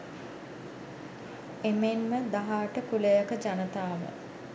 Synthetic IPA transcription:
emenməd̪aɦaːʈəkulejakəd͡ʒanət̪aːʋə̰

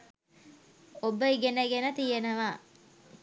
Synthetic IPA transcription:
obəiɡenəɡenət̪ijenəʋaː

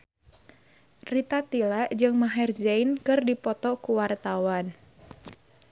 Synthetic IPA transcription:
rit̪at̪ilaʔd͡ʒɨŋmaɦɛrd͡ʒɛjnkɨrdipɔt̪ɔkuwart̪awan

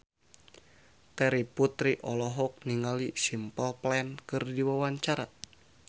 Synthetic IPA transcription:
t̪ɛɾiput̪ɾiʔɔlɔɦɔk̚niŋalisimpəlplɛnkɨrdiwawaɲt͡ʃaɾa

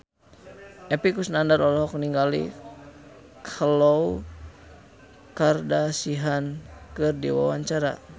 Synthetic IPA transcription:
ʔɛpikusnandaɾɔlɔɦɔkniŋɡalḭ | kʰəlɔu | kardasiɦankɨrdḭwa̰waɲt͡ʃaɾa̰

